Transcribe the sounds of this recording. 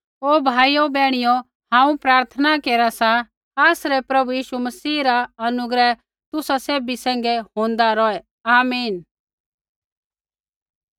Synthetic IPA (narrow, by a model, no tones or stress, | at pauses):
oːbʱaːiobɛːɽ̃ɪjo | hãːũpɾaːɾt̪ʰənakeːɾasa | aːsɾɛpɾɐbujiːʃumɐsiːɾaɐnʊɡɾɛ | t̪ʊsaseːbisɛ̃ːŋɡɛɦõːnd̪aɾɔɛ | aːmiːn